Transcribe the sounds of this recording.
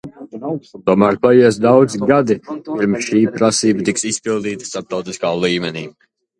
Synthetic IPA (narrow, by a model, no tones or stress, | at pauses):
t̪uɔmæːɾpajɛɛsd̪awd̪ziɡad̪ipiɾmsʃiːpɾasiːbət̪iksispilˠd̪iːt̪ə̥st̪aɾp̚t̪awt̪iskaːlˠiːmʲɛnḭː